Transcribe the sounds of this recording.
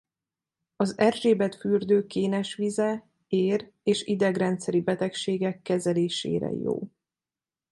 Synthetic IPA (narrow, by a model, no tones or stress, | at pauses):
ɒzɛrʒeːbɛt̪fyrd̪øːkeːnɛʃʋizɛ | eːr | eːʃid̪ɛɡrɛnt̪sɛɾibɛt̪ɛkʃeːɡɛkːɛzɛleːʃḛːɾɛ̰jo̰ː